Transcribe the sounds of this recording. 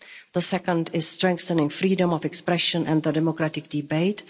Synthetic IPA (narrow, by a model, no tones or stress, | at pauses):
ðəsɛkə̃ndɪz̥stɹɛ̃ŋk̚θə̃nɪ̃ŋfɾiːdə̃mɔvɛkspɾɛʃə̃nʔɛ̃nðədɛmokɾatɪk̚d̥ɪbeɪt